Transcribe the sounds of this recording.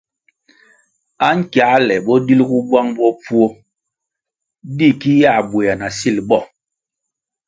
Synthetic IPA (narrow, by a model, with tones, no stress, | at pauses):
a˦ŋ̩˦kja˨˦lɛ˨ɓɔ˦di˦lku˦ɡwa˦ŋbɔ˦p͡fu˦o˦ | di˦˨ki˦ja˦˨bwe˨ja˨na˨si˦˨lɓɔ˦˨